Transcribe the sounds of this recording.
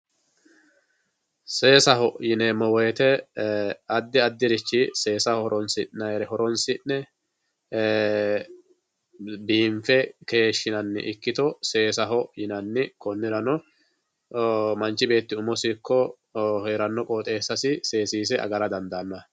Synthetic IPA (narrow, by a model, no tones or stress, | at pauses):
se̞ːsɐhɔjɪnɛmɔwɔjɛt̪ɛ | ɐd̪ːɪɐd̪ːɪɾɪt͡ʃːise̞ːsɐhɔɾɔnsɪnːɐjɾɛhɔɾɔnsɪnːɛ | biːɱfɛkeːʃːɪnɐnːɪ̰ʔɪkːɪt̪ɔse̞ːsɐɦɔjɪnɐnːɪkɔnːɪɾɐnɔ | mɐnt͡ʃːɪbe̞ːt̪ːɪʊmɔsɪkːɔ | heːɾɐnːɔkʼɔːt̪ʼe̞ːsːɐsɪse̞ːsiːs̬ɛɐ̰ɡɐɾɐd̪ɐnd̪ɐnːɔ